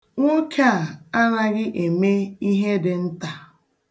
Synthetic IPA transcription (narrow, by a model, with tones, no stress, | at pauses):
ŋʷo˦kʰa˦˨a˦na˦ɣɪ˦ʔe˨me˦i˦ɦe˦dɪ˨n̩˦ta˨